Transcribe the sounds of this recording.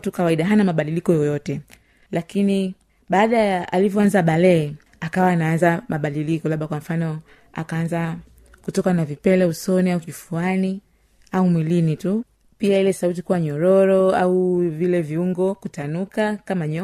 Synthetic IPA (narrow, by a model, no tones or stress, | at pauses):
tukawaiɗaɦanamaɓaɗilikɔjɔjɔtɛ | lakini | ɓaːɗajaʔalivɔanzaɓalɛː | akawaːnaanzamaɓaɗilikɔlaɓakwam̩fanɔ | a̰kaanza | kutɔkanavipɛlɛusɔniaukifuani | aumwilinitu | piailɛsaut̬ikuwaɲɔɾɔɾɔa̰uvilɛviuŋɡɔkutanukakamaɲɔ